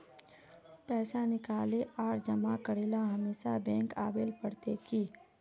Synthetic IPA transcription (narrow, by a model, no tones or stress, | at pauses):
pɛːsanɪkaːleaːɾd͡ʒɐmakəɽeːlaɦɐmeːsa̰bɛ̃ːŋka̰ːʋeːlpəɽt̪ekiː